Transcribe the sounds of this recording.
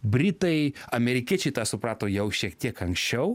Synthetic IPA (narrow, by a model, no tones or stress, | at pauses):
bʲɾʲɪt̪ɐɪɐmʲɛɾʲɪkʲiɛt͡ʃʲɛɪt̪ɑːsʊpɾɑːt̪oːjɛʊʃʲiɛkt̪ʲiɛkɐŋksʲt͡ʃʲɛʊ